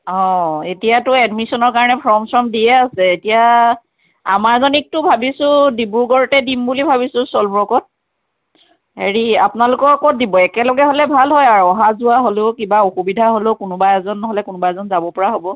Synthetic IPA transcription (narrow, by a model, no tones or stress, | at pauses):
ɔ̃etijatʊɛdmisɔnɔɹkaɹɔnɛpʰɹɔmsɹɔmdijɛasɛːtija | a̰maɹzɔnik̚tʊbʱabisʊ̃dibuɹɡɔɹɔtɛdimbulibʱaβisʊ̃sɔlbɹɔkɔt̚ | heɹiapʊnalʊkɔɹkɔt̚dibɔɛkɛlɔɡɛɦolɛbʱalɦɔjaɹɔɦazuaɦoleʊkibaoxubidʱaɦoleʊkʊnʊbaɛzɔnːɔɦɔlɛkʊnʊbaɛzɔnzabɔpɔɹaɦobɔ